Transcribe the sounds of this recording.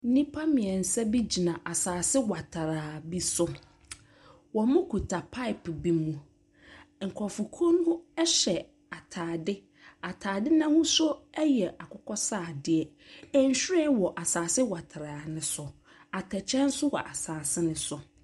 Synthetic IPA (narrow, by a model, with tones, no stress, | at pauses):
n̩˦nĩ˦pʰa˦mɪ̃˨ɛ˨n̩˨sɛ˦bi˦d͡ʑi˨nã˨ʔa˨saː˨sɪ˦wa˨tʰa˨ɾaː˨bi˦sʊ˦ | wɔ˨mʊ̃˦kʰu˨tʰa˨pʰa˦ɪ˨pbi˦mũ˨ | ŋ̩˨kʰɔ˨fʊ˨kʰo˦n˦hʊ̃˦ɛ˦ɕɛ˨ | a˨tʰaː˨dɪ˦ | a˨tʰaː˨dɪ˦nã˦hʊ̃˦sʊ˦ɛ˦jɛ˨ʔa˨kʰʊ˦kʰɔ˦saː˦˨dɪ˦ɛ˨ | ɛ˦ɲ̩˨˦ɕᶣɾɛ˦wɔ˨ʔa˨saː˨sɪ˦wa˨tʰa˨ɾaː˨nɪ̃˦sʊ˨ | a˨tʰɛ˨t͡ɕʰɛ̃˦n̩˦sʊ˦wɔ˨ʔa˨saː˨sɪ˦nɪ̃˨sʊ˨